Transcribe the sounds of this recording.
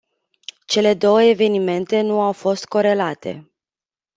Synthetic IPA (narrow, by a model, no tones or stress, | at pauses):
t͡ʃe̞le̞d̪o̞wəeve̞nime̞nt̪e̞nuawfo̞st̪̚ko̞ɾe̞lat̪e̞̰